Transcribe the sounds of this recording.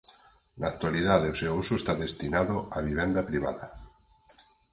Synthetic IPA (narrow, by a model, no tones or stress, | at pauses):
na̰kt̪waliðaðeoseousuest̪aðest̪inaðoaβ̞iβend̪apɾiβ̞a̰ða